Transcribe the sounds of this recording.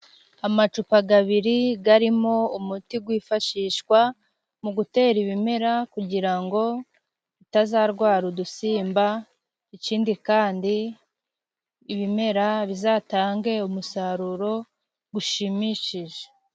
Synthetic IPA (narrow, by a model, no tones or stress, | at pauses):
amat͡ʃupaɡaβiɾiɡaɾimo̞umutiɡwiːfaʃiːʃkwa | muɡute̞ːɾiβime̞ɾakuɟiɾaŋɡo̞ | βitazaɾɡwaːɾudusiːmba | iciːndikaːndi | βime̞ɾaβizataːŋɡe̞umusaɾuɾo̞ | ɡuʃimiʃiʒe̥